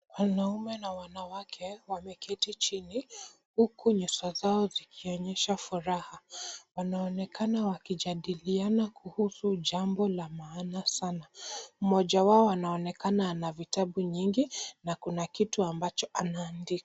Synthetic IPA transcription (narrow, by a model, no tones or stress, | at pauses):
wanaumɛnawanawakʰɛwamɛkɛtit͡ʃini | hukuɲusazaɔzikʰiɔɲɛʃafuɾahawanaɔnɛkanawakiʄaɗilianakʰuhusuʄambɔlamaːnasanam̩mɔʄawaɔanaɔnɛkananavitaɓuɲiŋɡinakunakituambat͡ʃɔʔanaːndika